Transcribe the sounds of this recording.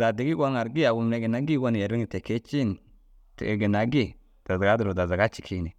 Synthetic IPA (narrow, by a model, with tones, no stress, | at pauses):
za˨de˨ɡi˦ɡo˦ŋa˨ɾɡi˦ja˨wu˨m˦e˨ɡe˨na˦ɡi˦ɡo˦ni˨ja˨ɾi˦ŋi˨te˨ke˦t͡ʃi˦n | tḛ˨e˨ɡe˨na˨ɡi˦˨ | d̥a˨za˨ɡa˦du˨ɾo˨da˨za˨ɡa˦t͡ʃi˨kʰi˦ni˨